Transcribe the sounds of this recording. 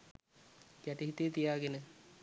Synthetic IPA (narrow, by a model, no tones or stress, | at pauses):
kæʈiɦit̪əjət̪ijaːɡenə